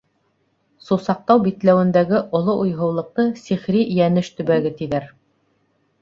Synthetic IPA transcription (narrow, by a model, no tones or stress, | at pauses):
susɑq̚t̪ɑwbit̪læwɘ̆nd̪æɡɘʔŏlˠoʔujɦɤ̆wlˠɤ̆q̚t̪ɤsiχɾijænɘʃt̪ɵ̆βæɡɘt̪iðæɾ